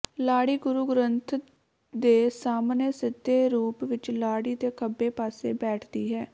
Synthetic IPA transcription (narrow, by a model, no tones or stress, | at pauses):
laːɽiːɡʊɾuːɡɾənt̪ʰ | d̪eːsaːmneːsɪd̪eːɾuːpʋɪt͡ʃlaːɽiːd̪eːkʰəbːeːpaːseːbɛːʈʰd̪iːɦɛː